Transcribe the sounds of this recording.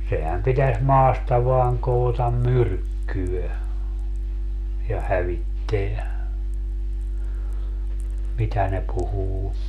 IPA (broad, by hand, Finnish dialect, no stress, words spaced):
sehæm pitæs mɑːstɑ ʋɑːŋ koːtɑm myrkːyø jɑ hæʋitːeæ mitæ ne puhuː